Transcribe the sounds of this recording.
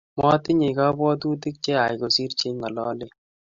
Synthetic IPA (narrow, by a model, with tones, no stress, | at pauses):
mɔ˦tɪ˦ɲi˨ka˦bɔ˦tu˦ti˦k̚t͡ʃe˦a˨ɪ˨ko˨si˦ɾt͡ʃe˦ŋŋa˨lɔ̰˦lɪ˦